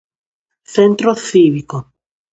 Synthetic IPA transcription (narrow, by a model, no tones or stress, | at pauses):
θẽnt̪ɾoθiβiko